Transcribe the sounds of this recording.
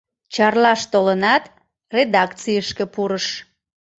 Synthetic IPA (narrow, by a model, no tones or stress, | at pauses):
t͡ɕɑrlɑʃt̪olənɑt̪ | red̪ɑkt͡sijəʃkəpuɾəʃ